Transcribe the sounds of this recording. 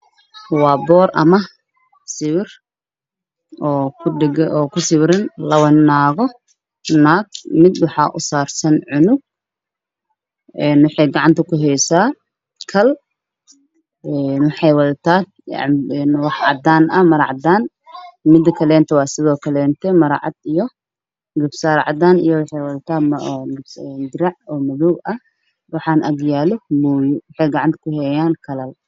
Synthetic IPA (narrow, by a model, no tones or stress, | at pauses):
wɑːbɔːɾʔɐ̰mɐ | sɪβɪr | ɔːkʰɖɡɔːkʰʊsɪβɾɪnlɐwɐnːaːɣɔ | naːɡ̚mɪd̪wɑħɑ̰ːʔʊsaːrsɐnʕʊnʊɡ̚ | ɛːnwɑħɑjɡɑʕɑnt̪ʰɐkʰʊɦɛjsaː | kʰɐl | ɛnwɑħɑjwɐðɐt̪ʰa̰ː | ɛnwɑħʕɑ̰d̪aːnɐmɐɾɑʕɑd̪aːn | mɪd̪kʰɐlɛːnt̪ʰɐwɑːsɪðɔːkʰɐlɛːnt̪ʰɛmɐɾaʕɑ̰d̪̥ijɔ | ɡɪbsaːɾʕɑ̰d̪aːnḭjɔwɑħɑjwɐðɐt̪ʰaːmɐɡɛd̪ɪɾɑʕɔːmɐðuːʔɐ | wɑħɑːnʔɐɡjaːlɔmuːjʊwɑħɑjɡɑʕɑnt̪ʰɐ̥kʰʊhɛjaːnkʰɐlɐl